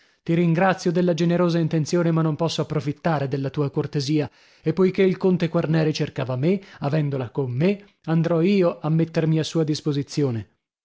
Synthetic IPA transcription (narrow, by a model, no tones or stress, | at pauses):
t̪iɾiŋɡɾat̪sːjod̪elːad͡ʒeneɾoːzaint̪ensjoːnemanːompɔsːoapːɾofit̪ːaːɾed̪elːat̪uːakort̪eziːa | epːojkeilkont̪ekwarnɛːɾit͡ʃerkaːvameavɛnd̪olakomːe | and̪ɾɔiːoʔamːet̪ːermiasːuːad̪ispozit̪sːjoːne